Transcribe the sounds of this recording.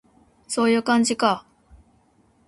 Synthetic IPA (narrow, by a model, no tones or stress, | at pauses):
so̞ːjɯ̟ːkãɲd͡ʑika